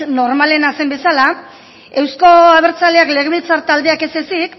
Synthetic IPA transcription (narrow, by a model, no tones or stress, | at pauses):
no̞ɾmale̞nase̞mbe̞sala | e̞wsko̞aβ̞e̞ɾt͡saleakle̞ɣeβilt͡saɾt̪ald̪e̞ake̞sesik